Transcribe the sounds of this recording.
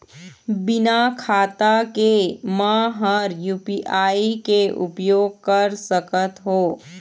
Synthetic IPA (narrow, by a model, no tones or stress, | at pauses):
bɪnakʰaːt̪akemãɦəɾjuːpiʔaːikeʔʊ̰pjoːɡ̚kəɾsəkət̪ɦoː